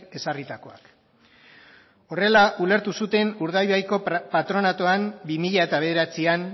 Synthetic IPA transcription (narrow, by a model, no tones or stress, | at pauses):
e̞sarit̪ako̞a̰k | o̞re̞laʔule̞ɾt̪usut̪e̞nuɾðajβajko̞pat̪ɾo̞nat̪o̞ambimiʎae̞t̪aβe̞ð̞e̞ɾat͡sian